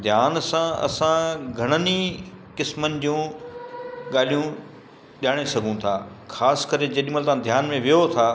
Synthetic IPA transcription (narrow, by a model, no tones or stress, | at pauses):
d̪ʱjaːnsãɐ̰sãɡʱɐɽ̃ənikɪsmənɪ̆d͡ʑiũ | ɠaːl̤ijũ | ɗaːɽ̃esɐɡʱũt̪ʰaː | xʰaːskəɾed͡ʑɐɗɪ̃əlt̪ãd̪ʱjaːnmẽʋijot̪ʰaː